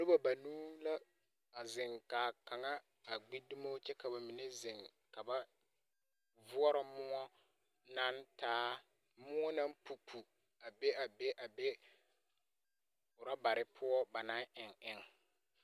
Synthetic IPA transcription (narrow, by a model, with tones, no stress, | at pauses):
dʊ˦ba˨ba˨nuː˦la˦ | a˨zɪ˨ŋkaː˨ka˨ŋa˦ | a˨ɡ͡bi˦du˦mo˦t͡ʃɛ˦ka˨ba˨mi˨nɛ˦zɪ˨ŋ | ka˨ba˦ | vʊ˦ɔ˦ɾa˦mʊ˦ŋɔ˦ | na˦ntaː˦ | mʊ˦ŋɔ˦na˦m˦pu˨pʰu˨ | a˨be˦a˨be˦ʔa˨be˦ | ʊ˨ɾa˦ba˨ɾɪ˨˦pʰʊ˦ɔ˦ba˨na˦ʔɪ˨ŋʔɪ˦ŋ˦